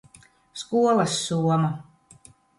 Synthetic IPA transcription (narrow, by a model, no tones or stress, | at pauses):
skuɔlˠɐsːuɔma